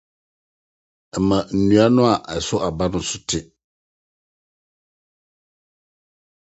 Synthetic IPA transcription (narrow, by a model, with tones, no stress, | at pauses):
ɛ˨mã˨n̩˨nũ˨˦a˦nʊ̃˦a˨ʔɛ˨sʊ˦ʔa˨ba˦nʊ̃˦sʊ˦tʰɪ˨